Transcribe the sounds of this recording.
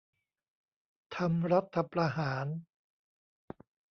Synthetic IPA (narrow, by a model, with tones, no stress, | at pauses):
t̪ʰa˧mɾa˦˥t̪ʰːa˧pɾa˧ɦaː˩˦n